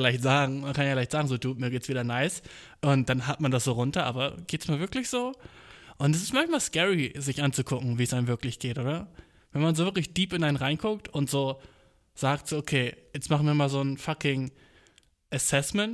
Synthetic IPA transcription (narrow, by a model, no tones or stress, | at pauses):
laɪçtz̥aːɡŋ̩mankʰanjaːɡlaɪçtz̥aːɡŋ̩zoːduːmiːɐɡeːtt͡ssv̥iːdɐnaɪs | ʔʊntd̥anɦatmandas̬z̥oːʁʊntɐʔa̰ːbɐɡ̥eːtɛ̥smiːɐlvɪɐklɪçz̥oː | ʔʊntɛs̬ɪstmançmaːlskɛʁizɪçʔant͡sukʰʊkŋ̩viːəsʔaɪnmvɪɐklɪçɡ̥eːtʔoːdɐ | vɛnmanzoːvɪɐklɪçd̥iːpɪnʔaɪnʁaɪnkʰʊk̚tʊntz̥oː | z̥aːk̚tz̥oːʔokʰeːjɛt͡stmaχn̩viːɐmaːlzoːnfakɪŋ | ʔɛsɛsmɛnt